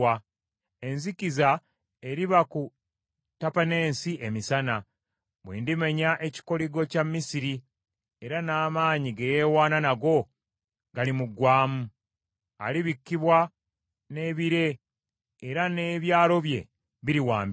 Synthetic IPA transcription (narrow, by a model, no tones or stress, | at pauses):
a | e̞nziciza | eɾiβaku | tapane̞ːnsiʔemisana | βwiːndimeɲaʔe̞ci̥ko̞liɡo̞camːisiɾi | eɾanaːmaːɲiɡejeːwaːnanaɡo̞ | ɡalimuɡwaːmu | a̰liβikːiβwa | ne̞ːβiɾe̞ː | ɾane̞ːβjaːlo̞βje̞̰ | βiɾiwaːmb